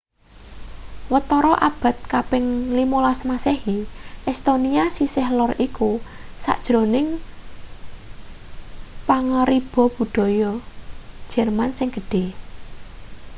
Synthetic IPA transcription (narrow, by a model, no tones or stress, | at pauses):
wət̪ɔɾɔʔab̥a̤t̪̚kabɪŋlimolasmasehiʔɛst̪oniasisɪhlɔrikusa̰ʔd̥ʒ̥ɾonɪŋ | paŋəɾib̥ɔ̤b̥ṳɖ̥ɔ̤jɔ | d̥ʒ̥ɛrmansɪŋɡ̥əɖ̥e̤